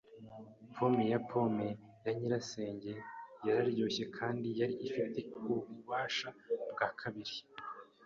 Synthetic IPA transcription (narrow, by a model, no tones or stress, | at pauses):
pʰo̞mejapʰo̞me̞jaɲiɾase̞ːɲɟe̞jaɾaɾjoːçe̞kʰaːndijaɾiʔifite̞uβuβaːʃabɡaːkʰaβiɾi